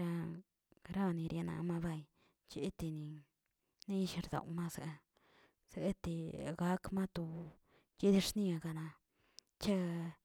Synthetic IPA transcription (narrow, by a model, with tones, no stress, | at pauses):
ɾa˧ | ɾa˧ni˧ɾje˧na̰˧˨ma˧ba˧j | t͡ʃi˧˦t̪i˧ni˧ | ni˦˧ʃi˧ɾd̪a̰˨wma˦sa˨˧ | z̥e˧e˦t̪i˧ɡa˧˦kma˦t̪u˧ | t͡ʃi˦d̪i˧ʂni˧a˧ɡa˧na˧ | t͡ʃa˦